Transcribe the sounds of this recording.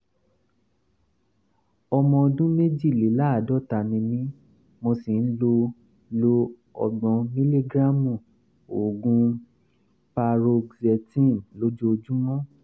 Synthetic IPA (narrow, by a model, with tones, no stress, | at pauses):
ɔ˧mɔ̃˧o˧dũ˦me˦d͡ʒi˦˨le˨˦la˦a˨dɔ˦ta˨nĩ˧nĩ˦ | mo˧si˨n̩˦lo˧ | lo˧ | ɔ̰˧ɡ͡bɔ̃˧mĩ˦li˦ɡɾa˦mũ˦˨ | o˨ɡũ˧˦ | pa˧ɾo˧ɡzɛ˧tĩ˦˨nlo˨˦d͡ʒo˦o˧d͡ʒũ˦mɔ̃˦